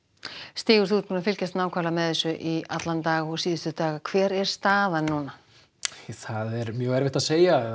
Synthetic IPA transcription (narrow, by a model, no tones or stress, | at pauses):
st̪iːɣʏɾ̥θut̪pʰuːnafɪlcast̪naːwkʰvaɾlamɛðɛsʏʔiat̪lant̪aːɣɔɣsiːðʏst̪ʏt̪aːɣakʰv̥ɛːɾɛɾ̥st̪aːðanːuna | θaðɛɾmjœːɣɛɾvɪht̪aðseːja